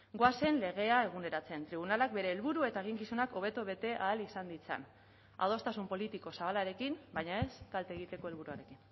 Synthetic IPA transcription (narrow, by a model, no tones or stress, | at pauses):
ɡoase̞nle̞ɣe̞ae̞ɣ̞une̞ɾat͡seent̪ɾiβ̞unalak̚be̞ɾe̞ːlβuɾue̞t̪aeɣ̞iŋkisunako̞β̞e̞t̪oβe̞t̪e̞ʔaːlisand̪it͡sa̰n | a̰ð̞o̞st̪asumpo̞lit̪iko̞saβalaɾe̞kinbajɲae̞skalt̪eːɣ̞it̪e̞ko̞e̞lβuɾuaɾe̞kin